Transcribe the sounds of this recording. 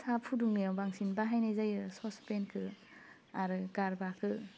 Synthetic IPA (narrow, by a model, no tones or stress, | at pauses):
sapʰuduŋnijawbaŋsinbaɦajnazajɯsɔspenkʰɯ | aɾɯkaɾbakʰɯ